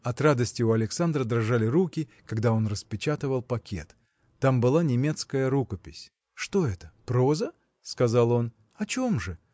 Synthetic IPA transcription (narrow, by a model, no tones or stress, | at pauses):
ɐt̪ɾad̪əsʲtʲɪʊɐlʲɪksand̪rəd̪ɾɐʐalʲɪɾukʲɪkɐɡd̪ao̞nrəspʲɪt͡ɕat̪ɨvəlˠpɐkʲʰe̞̰t̪ː | ambɨlˠanʲɪmʲe̞t̪skəjəɾukəpʲɪsʲ | ʂt̪o̞ɛt̪ə̥pɾozə | skɐzalˠo̞n | ɐt͡ɕo̞mʐɨ